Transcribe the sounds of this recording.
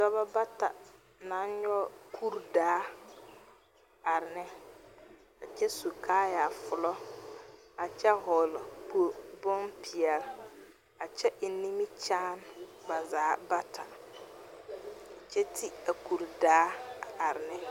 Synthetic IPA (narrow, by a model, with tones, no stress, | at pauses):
dɔ˦ba˦ba˦ta̰˨ | nã˨˦nɲɔ˦kʰu˦ɾdaː˨˦ | a˨ɾɪ˨nɪ˦ | a˨t͡ʃɛ˦su˨kʰaː˦ja˨fʊ˨lɔ˦ | a˨t͡ʃɛ˦ɦɔ˨lbʊ˦bɔ˦npʰi˨ɛ˨l | a˨t͡ʃɛ˦ʔɪ˨ni˦mi˦t͡ʃaː˦nba˨zaː˦ba˦tʰa˨ | a˨t͡ʃɛ˦tʰi˦a˨ku˨ɾdaː˨˦a˨ɾɪ˨nɪ˦